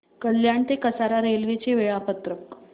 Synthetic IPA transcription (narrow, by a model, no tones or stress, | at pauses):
kəljaɳt̪ekəsaɾaɾelʋet͡ɕeʋeɭapət̪ɾək